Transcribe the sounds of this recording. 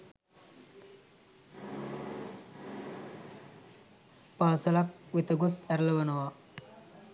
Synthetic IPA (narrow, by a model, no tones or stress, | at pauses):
paːsɐlak̚ʋit̪ɐɡusɐɾlɐʋɐnɐʋa